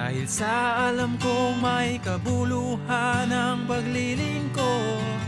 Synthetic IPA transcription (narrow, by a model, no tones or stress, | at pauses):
a̰ːhɪlsɐʔalamkomɐjkɐbuluhanɐŋpɐɡlilɪŋko